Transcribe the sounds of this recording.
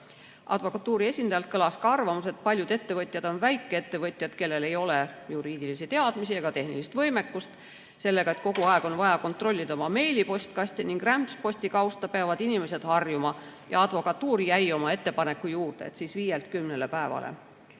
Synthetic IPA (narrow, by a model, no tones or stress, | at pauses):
ʔɑ̰d̪̥vo̞kːˑɑt̪ːuːɾie̞sʲind̪̥ɑjɑlt̪̚kɤlɑskɑɑrvɑmuse̞t̪̚pɑlʲjud̪e̞t̪ːe̞vɤt̪ʲˑjɑd̪̥o̞nvæjkˑːee̞t̪ːe̞vɤt̪ʲˑjɑd̪̥ke̞lːe̞le̞jo̞lejuɾiːd̪ilisit̪e̞ɑd̪̥misieɡ̥ɑt̪e̞hnilist̪vɤjme̞kːˑust̪ | se̞lːe̞ɡɑet̪̚ko̞ɡ̥uɑe̞ɡ̥o̞nvɑjɑko̞nt̪ro̞lʲːid̪̥ɑomɑme̞jlipo̞sʲt̪kɑsʲt̪ʲiniŋɡ̥ræmspo̞sʲt̪ikɑwst̪ɑpeɑvɑd̪̥inime̞se̞d̪̥hɑrjumɑ | jɑ̰ɑd̪̥vo̞kɑt̪ːuːɾijæjo̞mɑe̞t̪ːe̞pɑne̞kːujuːrd̪̥ḛt̪sisviːjelt̪kymnele̞pæe̞vɑ̰lḛ